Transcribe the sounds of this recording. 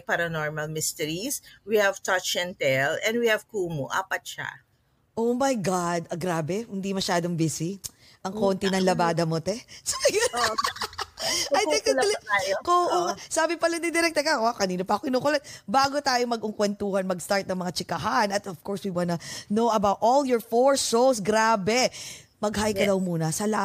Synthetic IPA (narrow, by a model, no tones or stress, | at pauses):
paɾɐnɔɹmɐlmɪst̪ɛɹiswihɐv̥t̪at͡ʃɛnt̪ɛlɛnd̪̚wihɐv̥kuːmoʔa̰ːpɐt̪̚ʃa̰ | ʔowmɐjɡad̪ɐɡɾaːbɛhɪnd̪imɐʃaːd̪oŋbisi | ʔɐŋkoːnt̪inɐŋlɐbaːd̪ɐmot̪ɛsɐjo | ɐj̪ɪkɐɐlaːjokoʔosaːbɪpɐlɐd̪ɪd̪ɪɾɛk̚t̪ɛkɐʔokɐniːnopɐɐkoʔɪnukʊlɐnbaːɡot̪aːjomɐɡʊŋkwɛnt̪uːhɐnmɐɡst̪aɹt̪̚nɐŋmɐŋat͡ʃɪkɐɦanɐt̪ɐfkɔɹswiwanɐnowʔɐbawt̪ʔoljɔɹfoɹsowsɡɾaːbɛmɐɡ̚ɦajkɐd̪ɐwmuːnɐsɐla